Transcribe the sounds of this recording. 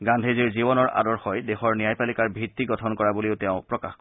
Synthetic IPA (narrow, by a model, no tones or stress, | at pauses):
ɡãndʱeziɹzibɔnɔɹʔa̰dɔɹxɔjdexɔɹnijajpalikaɹbʱitːiɡɔtʰɔnkɔɹabuliʊtɛʊ̃pɹɔka̰xkɔ